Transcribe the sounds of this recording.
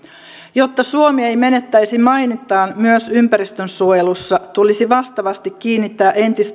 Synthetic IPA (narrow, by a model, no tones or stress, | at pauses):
jo̞t̪ːɑsuomiejme̞ne̞t̪ːæjsimɑjnit̪ːˑɑːmmyøsympæɾist̪ønsuojelusːɑt̪ulisiʋɑst̪ɑʋɑst̪ikːiːnːit̪ːæːʔe̞nt̪ist̪